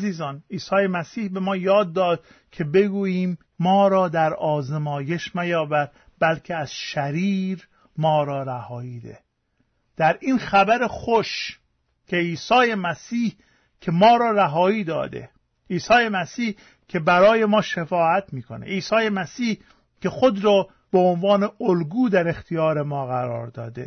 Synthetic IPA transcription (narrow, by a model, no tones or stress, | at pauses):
ziːzɒːniːsɒːjemæsiːhbe̞mɒːjɒːd̪ːɒːd̪̥̚ | cʰe̞be̞ɡuːjiːmː | ɒːɾɒːd̪æɾɒːzemɒːje̞ʃmæjɒːbæɾ | bælcʰeæz̥ʃæɾiːɾ | mɒːɾɒːɾæhɒːiːd̪ḛ | d̪̥æɾʔiːnxæbæɾexoʃ | cʰe̞iːsɒːjemæsiːh | cʰe̞mɒːɾɒːɾæɦɒːiːd̪ɒ̰ːd̪ḛ | iːsɒːjemæsiːh | cʰe̞bæɾɒːje̞mɒːʃefɒːæt̪ʰmiːkʰo̞nḛʔiːsɒːje̞mæsiːh | cʰe̞xod̪ɾɒː | beonvɒːne̞olɡuːd̪æɾe̞xt̪ʰijɒːɾemɒːɣæɾɒ̰ːɾd̪ɒ̰ːd̪e̞̰